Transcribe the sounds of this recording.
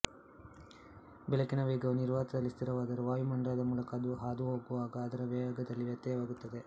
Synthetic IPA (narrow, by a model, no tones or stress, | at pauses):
bɛlɐkinɐʋeːɡɐʋɐniɾʋaːt̪ɐd̪ɐlːist̪ʰiɾɐʋaːd̪ɐɾuʋaːjumɐɳɖɾaːd̪ɐmuːlɐkɐd̪uɦaːd̪uɦoːɡuʋaːɡɐːd̪ɐɾɐʋɐːaɡɐd̪ɐlːiʋjɐt̪ːjɐjɐʋaːɡut̪ːɐd̪e̞